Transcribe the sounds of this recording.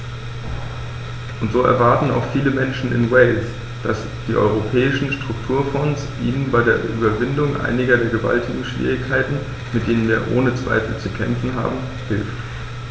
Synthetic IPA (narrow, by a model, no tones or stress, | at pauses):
ʔʊntz̥oːɛ̰ɐvaɐtn̩a̰ʊxfiːləmɛnʃn̩ɪ̰nwɛɪls | d̥as | d̥iːʔɔ̰ʏʁ̞opʰɛːɪʃn̩ʃtʁ̥ʊktʰuːɐfɔnsʔiːnənbaɪdeːɐʔy̰ːbɐvɪndʊŋʔa̰ɪnɪɡɐdeːɐɡəva̰ltʰɪɡŋ̩ʃv̥ḭːʁ̞ɪçkʰaɪtn̩ | mɪt̚d̥eːnənviːɐʔoːnət͡sv̥a̰ɪfl̩t͡sukʰɛ̰mfn̩ɦa̰ːbm̩ | hɪlft